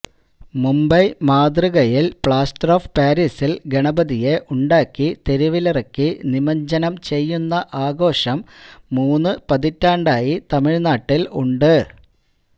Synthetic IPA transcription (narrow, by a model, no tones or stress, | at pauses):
mumbɐjmaːd̪riɣɐjilpɭaːsʈroːfpaːɾiːsilɡe̞ɳɐbɐðijeʔuɳɖaːkːit̪eɾiʋilirɐkːinimɐɲd͡ʑɐnɐmt͡ɕe̞jːunːɐʔaːɡo̞ːʂɐmːuːnːɨpɐðitːaːɳɖaːjit̪ɐmiɻnaːʈːiluɳɖɨ